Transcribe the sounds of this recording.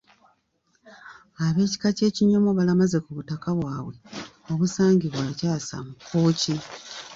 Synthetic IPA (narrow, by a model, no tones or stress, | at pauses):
aβe̞ːci̥kace̞ːciɲomoβalamaze̞kuβutakaβwaːβwe̞ | o̞βusaːŋɡiβwaːcaːsa̰mukʰːo̞ːci